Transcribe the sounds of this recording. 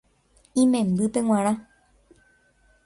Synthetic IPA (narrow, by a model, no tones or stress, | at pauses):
ĩmẽ̞mbɨpẽ̞ŋʷãɾ̃ã